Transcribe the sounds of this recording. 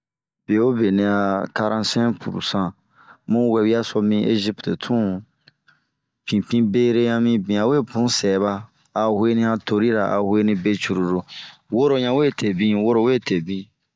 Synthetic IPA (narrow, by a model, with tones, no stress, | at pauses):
b̥e˨o˦be˨nĩ˧˨a˨ka˧ɾã˦sɛ̃˦pṵ˨ɾṵ˨sã˨ | mũ˦wɛ˨wi˦a˦so˧mĩ˧ʔe˦zi˦pte˨tʰũ˦ | pʰĩ˨pĩ˦be˦ɾe˦ɲã˧mĩ˦bĩ˨a˨we˦˨bũ˨˦sɛː˨βa˧ | a˨he˦nĩ˦a˧to˨ɾi˦ɾa̰˨ʔa̰˨we˦nĩ˧be˦t͡ʃu˨ɾu˨ɾo˨wo˦ɾo˦ɲã˦we˦˨tʰe˨bĩ˦wo˦ɾo˦we˦˨te˨bĩ˨